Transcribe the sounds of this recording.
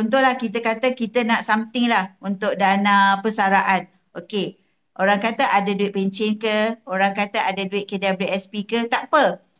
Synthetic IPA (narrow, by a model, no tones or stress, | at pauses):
unt̪̬ʊlahkit̪əkat̪əkit̪ənaʔsamt̪ɪŋlahunt̪ʊk̚danãpəsaɾaʔan | ʔoke | ʔoɾaŋkat̪əʔadaduɪʔ̪̚peɲt͡ʃɛnkəoɾaŋkat̪əadaduɪt̪ʔ̪̚kədabliʔɛspikət̪aʔpə